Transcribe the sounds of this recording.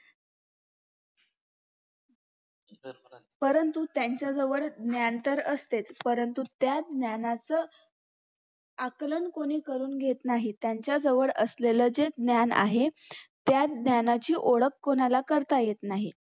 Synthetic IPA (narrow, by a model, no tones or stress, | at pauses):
pəɾənt̪ut̪jaɲt͡ɕjad͡zəʋəɭd̪njant̪əɾəst̪et͡spəɾənt̪ut̪jad̪njanat͡sə | aklənkoɽ̃iːkəɾuːnɡʱet̪naɦit̪jaɲt͡ɕjad͡zəʋəɭəsleləd͡zed̪njana̰ɦet̪jad̪njanat͡ɕiːʔoɽəkːonalakəɾt̪ajet̪naɦi